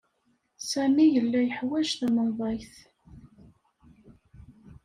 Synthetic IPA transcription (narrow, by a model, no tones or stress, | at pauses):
sæmijəlːæjəħwæʒθməðˤɑjθ